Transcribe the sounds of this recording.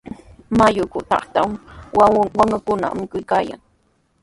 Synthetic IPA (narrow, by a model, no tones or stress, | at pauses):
majʊkʊt̪ɑ̰χt̪amwwaŋakʊna̰mɪkʊjkaːja̰ŋ